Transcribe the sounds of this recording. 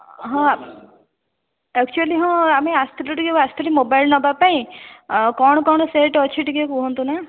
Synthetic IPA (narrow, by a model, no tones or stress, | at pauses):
ɦɔ̃ | ɛk̚t͡ʃuəliɦɔ̃ameast̪iluʈiɡeast̪ilimobajlnɔbapaĩ | kɔɳ̃ɔkɔɳ̃ɔseʈɔt͡ʃʰiʈiɡekuɦɔ̃nt̪una